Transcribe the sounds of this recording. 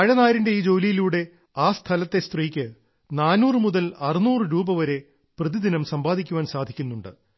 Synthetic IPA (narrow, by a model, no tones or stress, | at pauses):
ɐɻɐnaːjɾinde̞iːd͡ʑo̞ːlijiluːɽe̞ | aːst̪ʰɐlɐt̪ːe̞st̪riːkʲːɨ | naːnuːrɨmuðɐlɐrinuːrɨɾuːbɐʋɐɾe̞ | prɐðid̪inɐmsɐmbaːd̪ʱikʲːuʋaːnsaːd̪ʱikʲːunːuɳɖɨ̰